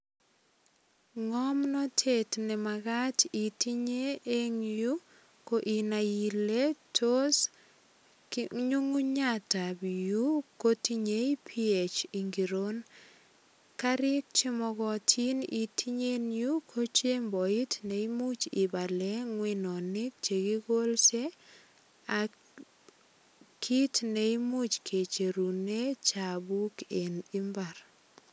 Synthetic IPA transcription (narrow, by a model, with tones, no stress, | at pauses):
ŋɔ˦mnɔ˦tʰe˦tnɛ˨ma˨ɡatʰi˨ti˦ɲe˦e˦ŋju˦ | ko˨ʔi˨na˨i˨le˦tʰo˦s | ɲu˦ŋu˦ɲa˦ta˨bju˦ko˦ti˦ɲe˦i˦pʰi˦e˨t͡ʃi˨ŋɡi˨ɾo˦n | ka˦ɾɪ˦k̚t͡ʃɪ˦mɔ˧kɔ˨tʰi˦ni˨tʰi˦ɲe˦nju˦kʰo˦t͡ʃe˦mbɔ˨i˦tne˨i˦mu˦t͡ʃɪ˨ba˨lɛ˦ŋwɪ˨nɔ˨nɪ˦k̚t͡ʃe˨ki˦ko˦lse˦ | a˨ | kʰi˦tne˨i˦mu˦t͡ʃkʰe˨t͡ʃe˨ɾu˨ne˦t͡ʃa˨bu˦ke˨nɪ˦mba˨ɾ